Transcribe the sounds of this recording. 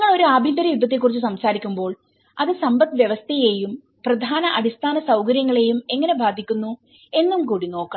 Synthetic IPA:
ŋːɐɭo̞ɾuaːbʱind̪ɐɾɐjud̪ʱːɐt̪̬ːekːurit͡ɕːusɐmsaːɾikʲːumbo̞ːɭ | ɐðɨsɐmbɐt̪ʋjeʋɐst̪ʰɐje̞ːjum | prɐd̪ʱaːnɐʔɐdist̪ʰaːnɐsɐwkɐɾjɐŋːɐɭe̞jume̞ŋːɐne̞bʱaːd̪ʱːikʲːunːu | e̞nːumkuːɽino̞ːkːɐ

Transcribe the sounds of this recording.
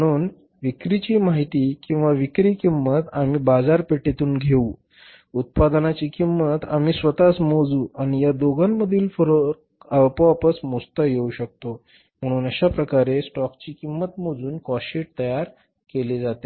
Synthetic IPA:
əɽ̃uːn | ʋikɾit͡ɕiːmaɦit̪iːkĩw̃ʋaʋikɾiːkimːət̪amiːbad͡zaɾpeʈet̪uːnɡʱeu | ut̪̚pad̪nat͡ɕiːkimːət̪a̰m̤iːsʋət̪asmod͡zuːaɽ̃ijad̪oɡamːəd̪ʱiːlfəɾo | əpʋapəsmost̪əjeuɕək̚t̪o | m̤əɽ̃uːnəɕapɾəkaɾesʈɔkt͡ɕiːkimːət̪mod͡zuːnkɔɕiʈ̚t̪əjaɾ | keled͡zat̪e

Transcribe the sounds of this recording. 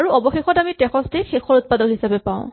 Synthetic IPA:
aɹuɔbɔxexɔtamitɛxɔstexexɔɹut̚padɔɹɦisabɛpãʊ̃

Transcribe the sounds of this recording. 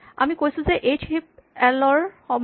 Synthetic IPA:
a̰mikojsuzeʔet͡ʃhip̚ɛlɔɹhɔm

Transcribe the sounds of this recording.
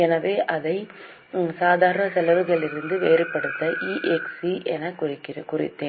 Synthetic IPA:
ɛnɐʋeːʔɐðɐɪ | saːðaːɾɐnɐsɛlɐʋɯɣɐɭɪɾɯnd̪ɯʋeːɾɯpːɐɽɯt̪ːɐʔiːʔɛksiʔɛnɐkrɪkːɪɾkʊrɪ̰t̪ːeːn

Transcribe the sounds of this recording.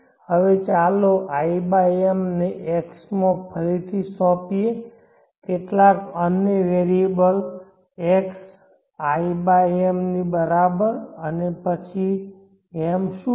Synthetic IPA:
həʋet͡ʃaloʔaibajemneʔeksmãpʰəɾit̪ʰisɔ̃pie | keʈlakəneʋeɾiebəl | eks | aibaemnibəɾabəɾənepət͡ʃʰi | emʃu

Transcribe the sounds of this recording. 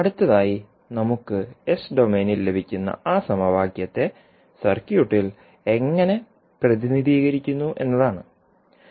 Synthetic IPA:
ɐɽut̪ːɐðaːji | nɐmukːɨesɖo̞me̞ːnilːe̞bʱikʲːunːɐ̰aːsɐmɐʋaːkjɐt̪ːe̞ | sɐrkjuʈːil | e̞ŋːɐne̞ | prɐðiniðʱiːɣɐɾikʲːunːuʔe̞̰nːɐðaːɳɨ

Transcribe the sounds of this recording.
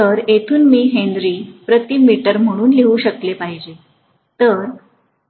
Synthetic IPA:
t̪əɾet̪ʰuːnmiːɦẽnd̪ɾiːpɾət̪iːmːiʈəɾm̤əɽ̃uːnliʋuːɕəklepaɦid͡ʑe | t̪əɾ

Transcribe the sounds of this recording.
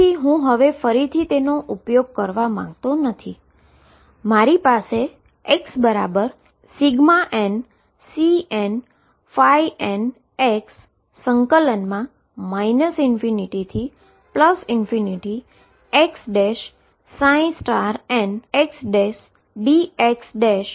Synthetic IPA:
iɦũɦəʋefəɾit̪ʰit̪enoʔupjoɡ̚kəɾʋamã̰ŋɡt̪onət̪ʰi | maɾipase | eksbəɾabəɾ | siɡmaʔen | sien | faiʔen | eksː | əŋkələnmã | mainəsɪnfiniʈit̪ʰi | pləsɪnfiniʈi | eksɖeʃ | sãĩsʈaɾɛneksɖes | ɖieksɖeʃ

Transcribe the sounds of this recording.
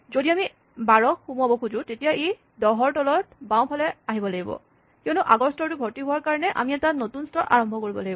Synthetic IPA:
zodiami | baɹɔkxumuabɔkʰuzʊ̃tetijaʔe | dɔɦɔɹtɔlɔt̚baw̃pʰalɛaɦibɔlaɡibɔ̰ | kionuʔaɡɔɹstɔɹtʊbʱɔɹtiɦʊwaɹkaɹɔnɛʔa̰miɛtanotunstɔʔa̰ɹɔmbʱɔkoɹibɔlaɡibɔ

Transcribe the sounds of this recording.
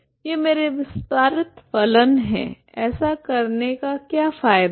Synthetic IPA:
jeːmeːɾeʋɪst̪aːɾɪt̪pɐlənɦɛ̰̃ | ɛːsakɐɾnekakjaːfaːɪd̪

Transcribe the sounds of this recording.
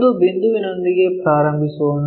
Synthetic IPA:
d̪ubɪnd̪uʋɪnənd̪iɡepɾaːɾə̃mbʱisoːn

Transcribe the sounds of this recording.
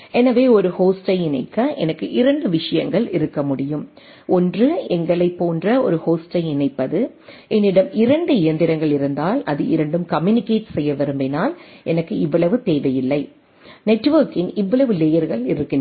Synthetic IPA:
ʔɛnɐʋeːɔɾɯhoːsʈɐɪɪnɐ̰ɪkːɐʔɛ̰nɐkːɯʔɪɾɐɳɖɯʋɪʂɐjɐŋɡɐɭɪ̰ɾɯkːɐmʊɽɪjɯm | ʔɔndrɯɛŋɡɐɭɐɪpːoːndrɐɔɾɯhoːsʈɐɪɪnɐɪpːɐðɯ | ʔɛnːɪɽɐmɪɾɐɳɖɯɪjɐnd̪ɪɾɐŋɡɐɭɪɾɯnd̪aːlɐðɯʔɪɾɐɳɖɯmkɐmjunɪkːeːʈsɛjːɐʋɛɾɯmbɛnaːlɛnɐkːɯɪʋːɐɭɐʋɯt̪eːʋɐjɪlːɐɪ | nɛʈːʋɐɾkɪŋɡɪʋːɐɭɐʋɯleːjɐɾɣɐɭɪɾɯkːɪn

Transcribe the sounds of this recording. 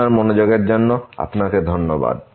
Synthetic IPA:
aɾmonod͡ʑoɡeɾd͡ʑonːoa̰pnaked̪ʱonːoba̰d̪̚

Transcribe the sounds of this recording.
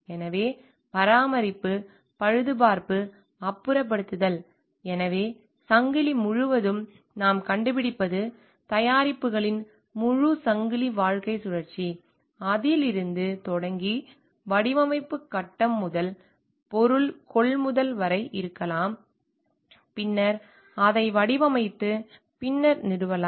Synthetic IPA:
ɛnɐʋeː | pɐɾaːmɐɾɪpːɯ | pɐɻɯðɯpaːɾpɯ | ɐpːɯɾɐp̬ːɐɽɯt̪ːɯðɐl | ɛnɐʋeː | sɐŋɡɪlimʊɻɯʋɐðɯm | naːmkɐɳɖɯpɪɽɪpːɐðɯ | t̪ɐjaːɾɪpːɯɣɐɭɪn | mʊɻusɐŋɡɪliʋaːɻkɐɪsʊɻɐɾt͡ʃːi | ɐðɪlɪɾɯnd̪ɯt̪ɔɽɐŋɡi | ʋɐɽɪʋɐmɐɪpːɯkːɐʈːɐmːʊðɐl | pɔɾɯlkɔɭmʊðɐlʋɐɾɐɪʔɪɾɯkːɐlaːm | pɪnːɐɾ | ɐðɐɪʋɐɽɪʋɐmɐɪt̪ːɯ | pɪnːɐɾnɪɽɯʋɐlaː

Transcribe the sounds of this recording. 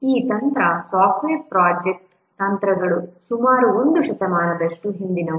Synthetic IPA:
iːt̪ɐnt̪ɾɐsaːfʈʋeːɾpɾaːd͡ʒek̚ʈ | t̪ɐnt̪ɾɐɡɐɭusumaːɾuo̞nd̪uʃɐt̪ɐmaːnɐd̪ɐʂʈuɦind̪inɐ

